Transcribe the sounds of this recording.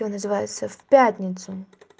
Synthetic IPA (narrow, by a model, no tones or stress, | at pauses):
onəzɨvajɪt̪səfʲpʲatʲnʲɪt̪sʊ